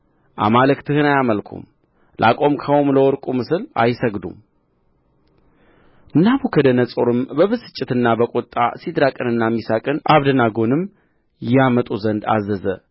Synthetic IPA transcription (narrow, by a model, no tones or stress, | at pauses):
ʔa̰malɨkt̪ʰɨhɨnajaməlkʰṵm | lʔa̰kʼo̞mkʰəwomləwɔɾkʼumɨsɨla̰jsəɡd̪ṵm | ʔɨnːaβukʰəd̪ənəsʼoɾɨmbəβɨsɨ̥t͡ʃʼːɪt̪ɨnːabəkʼot̪ʼːa̰sid̪ɾakʼɨnɨnːamːisakʼɨnʔaβd̪ənaɡo̞nɨm | jɛamət̪ʼuzənd̪a̰zəzə